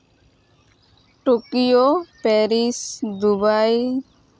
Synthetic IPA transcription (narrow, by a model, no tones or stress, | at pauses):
ʈokijopɛɾisd̪ubaj